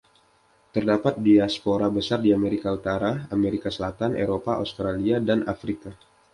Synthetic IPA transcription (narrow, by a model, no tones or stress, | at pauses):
t̪ərdapat̪̚diaspoɾabəsardiameɾikaut̪aɾaameɾikasəlat̪anʔḛɾopaʔo̰st̪ɾaliadanʔa̰fɾika